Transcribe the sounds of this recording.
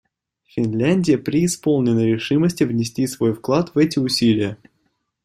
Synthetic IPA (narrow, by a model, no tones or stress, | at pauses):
fʲɪnlʲænʲdʲɪjəpɾʲɪːspolˠnʲɪnəɾʲɪʂɨməsʲtʲɪvnʲɪsʲtʲisvo̞jfklˠat̪vɛtʲɪʊsʲilʲɪjə